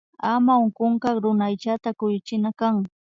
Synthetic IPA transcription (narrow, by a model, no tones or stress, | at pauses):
amaoŋkoŋkɑɾʊnajt͡ʃat̪akʊjʊt͡ʃɪnakaŋ